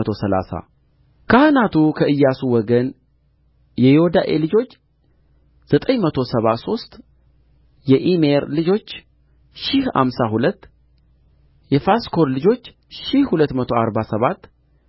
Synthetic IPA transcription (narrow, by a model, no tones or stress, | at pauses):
ət̪ʰo̞səla̰sa̰ | kʰahɨnat̪ʰukʰəɨjːasuwɔɡən | jɛjihod̪aʔe̞lɨd͡ʒo̞t͡ʃː | z̥ət̪ʼəɲmət̪ʰo̞səβaso̞st̪ʼ | jɛʔimeɾlɨd͡ʒo̞t͡ʃː | ʃɪhha̰msahulət̪ː | jɛfaskʰo̞ɾlɨd͡ʒo̞t͡ʃː | ʃɪhhulət̪ːmət̪ʰo̞aɾbasəβat̪ː